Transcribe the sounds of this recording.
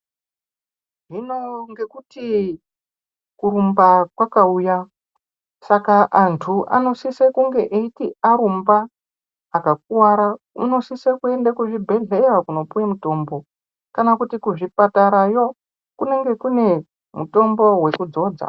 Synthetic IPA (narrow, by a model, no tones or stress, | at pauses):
ʐino̞ŋɡe̞kuti | kuɾumbakwakauja | sakaʔantʰuʔa̰no̞sisekuŋɡe̞ʔeitiaɾumbaː | kak̚uwaɾa | uno̞sisekue̞ndakuʐibʱe̞ɮe̞jakuno̞pujemuto̞ːmbo̞ | kanakutikuʐipataɾajo̞ | kune̞ŋɡe̞kune̞ | muto̞mbo̞we̞kud͡zo̞ːd͡za̰